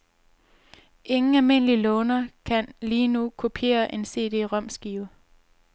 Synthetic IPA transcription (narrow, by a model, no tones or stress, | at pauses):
ʔe̝ŋn̩ælme̝n̰əlilɔːnɐkʰænliːnukʰupʰe̝̰ːɐʔe̝nse̝̰ːd̥e̝̰ːʁɶm̰sɡ̥iːʊ